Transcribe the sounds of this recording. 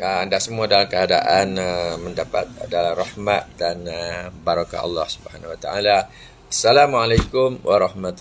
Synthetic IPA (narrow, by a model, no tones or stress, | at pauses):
əandaʔsəmuadalamkəada̰ʔanəmə̃ndapa̰t̪̚dalarɑhmat̪̚danəbaɾaka̰ɑ̰lːɑhsubəhanwat̪a̰ʔala | asːalamualakʊmwaɾɑhmat̪